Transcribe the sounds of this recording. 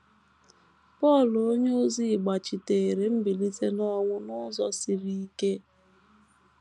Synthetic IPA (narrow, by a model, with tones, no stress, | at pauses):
pɔ˦˨lo˦ɲe˦o˦zi˦˨ɡ͡ba˨t͡ʃi˨te˨e˨ɾe˨m̩˦bi˨li˦ze˦nɔ˦ŋʷʊ˦nʊ˦zɔ˨si˨ɾi˦i˦ke˦